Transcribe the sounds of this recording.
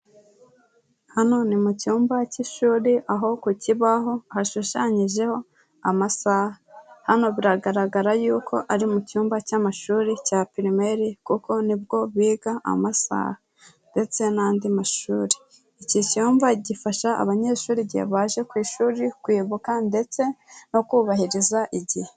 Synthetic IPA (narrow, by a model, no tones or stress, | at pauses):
hano̞nimucuːmbaciʃuːɾiʔaɦo̞kuciβaɦo̞haʃuʃaɲiʒe̞ho̞ | amasahahano̞βiɾaɡaɾaɡaɾajuːkʰo̞ʔaɾimucuːmbacamaʃuːɾicaːpiɾime̞ɾikuko̞nibɡo̞βiːɡaʔa̰masa̰ːha | nde̞t͡se̞naːndimaʃuːɾi̥ | icicuːmbaɟifaʃaa̰βaɲe̞ʃuːɾiɟḛβaːʒe̞kwiːʃuːɾikwiːβukande̞t͡se̞no̞kuːβahiɾizaʔiɟihe